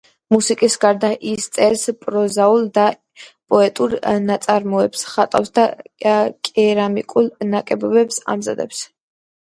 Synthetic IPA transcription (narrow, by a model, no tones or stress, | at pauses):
musikʼisɡaɾd̪aʔist̪sʼɛɾspʼɾɔzaulˠd̪a | pʼɔɛt̪ʼuɾnat̪sʼaɾmɔɛpsχat̪ʼa̰fsd̪a | kʼɛɾamikʼulˠnakʼɛbɔbɛpsa̰mza̰d̪ɛ̰ps